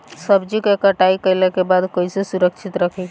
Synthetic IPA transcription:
səbd͡ʒikekəʈaikəilekebaːd̪koːisesuɾəkʃʰɪt̪ɾəkʰe

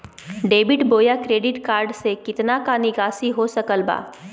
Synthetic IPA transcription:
ɖeːbɪʈboːjakɾeːɖɪʈkaːɾɖsekɪt̪nakanɪɡaːsiɦosɐkəlba̰ː

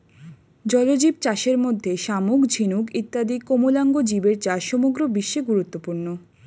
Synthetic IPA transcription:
d͡ʑɔlod͡ʑib̚t͡ɕaʃeɾmod̪ʱːeʃamukd͡ʑʱinukit̪ːad̪ikomolaŋɡod͡ʑibeɾt͡ɕaʃɔmoɡɾobiʃːeɡuɾut̪ːopuɾno

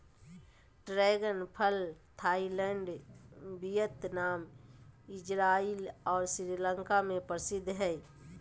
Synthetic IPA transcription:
ʈɾeːɡənpʰəlt̪ʰaːilɛɳɖbijət̪naːmɪd͡ʒɾaːilɔːɾsɪɾiləŋkamẽpəɾsɪd̪ʱːɦɛː

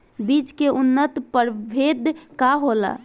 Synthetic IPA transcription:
bit͡ʃkeʔunːət̪pəɾbʱed̪kaɦola̰

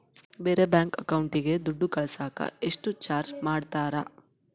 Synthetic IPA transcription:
beːɾebjaːŋkɐkɐwɳʈiɡe̞d̪uɖːukɐɭɐsaːkɐ̰eʂʈut͡ʃaːɾd͡ʒmaːɖt̪aːɾɐ

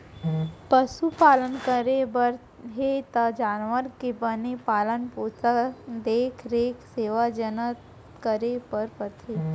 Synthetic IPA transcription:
pəsupalənkəɾebəɾ | ɦet̪əd͡ʒanʋəɾkibənipalənpot͡sad̪ekʰɾekʰseːʋad͡ʒənət̪ | kəɾepəɾpət̪ʰe

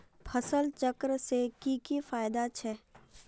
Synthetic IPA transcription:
pʰəsəlt͡ʃəkɾsekikifaːjd̪at͡ʃʰɛː

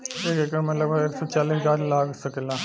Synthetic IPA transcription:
eːkekəmɐt̪ləbeːksot͡ʃaːliːsɡaːɾlaːksɐkela

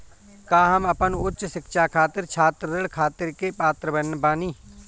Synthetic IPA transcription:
kaːɦɐmɐpənʊtːʃsɪkʃakʰaːt̪ɪɾt͡ʃʰaːt̪ɾɾɪɽkʰaːt̪ɪɾkepaːt̪ɾəbənːbaːniː

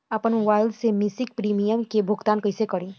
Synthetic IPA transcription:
ɐpənwaːɪld̪semisɪk̚pɾiːmijəmkebʱʊɡt̪aːnkɐɪsekɐɾĩː

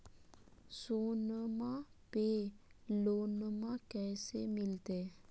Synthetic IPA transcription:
soːnəmãpelonəmãkɛːsemɪlt̪e

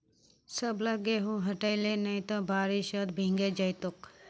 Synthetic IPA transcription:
səbləɡeɦũɦəʈəilenəĩt̪obaːɾiʃəd̪bʱĩŋɡed͡ʒəjt̪ok

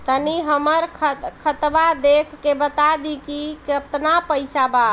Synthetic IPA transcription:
t̪əniɦəməɾkʰəkʰət̪bad̪ekʰkebət̪ad̪ikikət̪napəjsaba

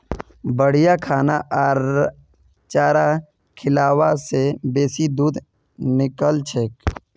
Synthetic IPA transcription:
bəɽ̤ijakʰaːnaʔaːɾ | t͡ʃaːɾa | kʰɪlaːwasebeːsid̪uːd̪ | nɪkəlt͡ʃʰeːk

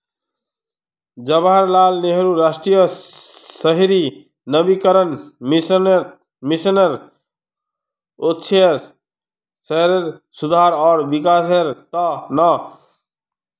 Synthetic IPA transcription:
d͡ʒəbaɾlaːlneɦɾuɾasʈɾijə | əɦɾi | nəbikəɾənmnɾ | misənəɾ | otːt͡ʃʰ | səɦɾəɾsud̪ʱaːɾɔːɾbikaːseɾt̪ɔna

